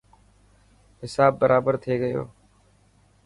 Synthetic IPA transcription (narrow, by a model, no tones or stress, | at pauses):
ɦɪsaːbːəɾʔaːbəɾt̪ʰeːɡəjo̰ː